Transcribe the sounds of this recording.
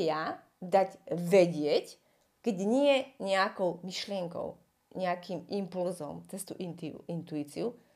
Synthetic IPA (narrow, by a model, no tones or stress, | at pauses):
ja | d̪aɟʋɛɟɪɛc | kɛɟɲɪɛɲɛakɔʊmiʃlɪɛŋkɔ̰ʊ | ɲɛakiːmimpulzɔ̰mt͡sɛst̪uʔt̪uint̪uiːt͡siu